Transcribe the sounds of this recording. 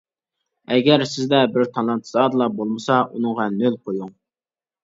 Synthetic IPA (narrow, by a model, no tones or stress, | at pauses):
ɛɡʲɛɾsɪzd̪ɛbɪɾt̪ʰɑlˠɑnt̪ʰɨzɑːd̪ɨlˠɑbolˠmɨsɑʔunɨŋʁɑnølqʰojuŋ